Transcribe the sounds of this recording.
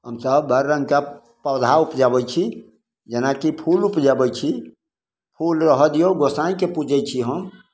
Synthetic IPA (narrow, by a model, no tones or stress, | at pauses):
ɦəmsəbːəɾːə̃ŋɡka | pəwd̪ʱaupd͡ʒabət͡ʃʰi | d͡ʒenakipʰulupd͡ʒabət͡ʃʰi | pʰulɾəɦəd̪ijoɡosãĩkepud͡ʒəjt͡ʃʰiɦəm